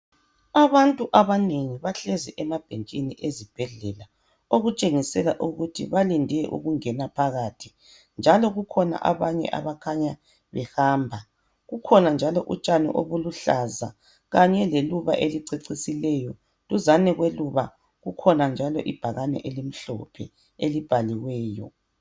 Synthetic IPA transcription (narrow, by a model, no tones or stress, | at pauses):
aβantʼuʔaβaneŋiβaɬɛzɛʔɛmab̥ʱent͡ʃʼiniʔezib̥ʱɛɮɛla | oɣut͡ʃʼeŋisɛlaʔuɣutʰḭβalindʱɛʔṵɣuŋɛnapʰaɣatʰi̥ | nd͡ʒʱalɔɣukʰɔna̰ʔa̰βaɲɛ̰ʔa̰βakʰaɲa | βɛhaːmbʱa | ɣukʰɔnand͡ʒʱalɔʔut͡ʃʼanḭʔo̰βuluɬaza̰ | ɣaɲɛleluβa̰ʔeliǀeǀisilɛjɔ | tuzanɛɣweluβa | ɣukʰɔnand͡ʒʱalɔ̰ʔib̥ʱaɣanɛ̰ʔelim̩ɬɔ̰pʰɛ̰ | elib̥ʱaliɣwɛːjɔ̰